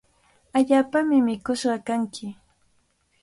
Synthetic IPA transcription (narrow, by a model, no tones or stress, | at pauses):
aʎaːpamɪmɪkʊʃɢɑkaŋkɪ